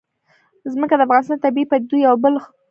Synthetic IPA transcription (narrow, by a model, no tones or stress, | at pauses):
zməkad̪əafɣɑnɪst̪ɑnt̪abiipad̪ujawbəl